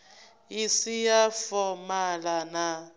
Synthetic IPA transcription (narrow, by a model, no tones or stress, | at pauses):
isijafɔmalana